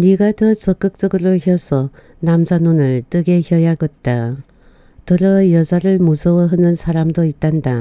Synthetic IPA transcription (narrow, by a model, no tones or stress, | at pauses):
niɡatʌt͡ɕʌk͈ɯk̚t͡ɕ͈ʌɡɯɾoçjʌsʰʌ | namd͡ʑanonɯɭt͈ɯɡe̞çjʌjaɡɯt̚t͈a | tɯɾʌjʌd͡ʑaɾɯɭmusʰʌwʌɦɯnɯnsʰaɾamdoit̚t͈anda